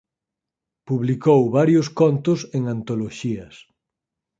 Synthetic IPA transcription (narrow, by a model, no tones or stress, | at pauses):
puβlikowβaɾjʊskont̪ʊseŋant̪oloʃiɐs